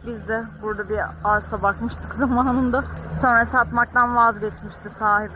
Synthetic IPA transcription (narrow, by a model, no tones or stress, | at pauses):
bizd̪ɛbuɾd̪abiaɾsabakmɯʃt̪ʰɯkzamaːnɯnd̪aso̞nɾasat̪mak̚t̪anvazɡɛt̪miʃt̪ʰiksaːɦib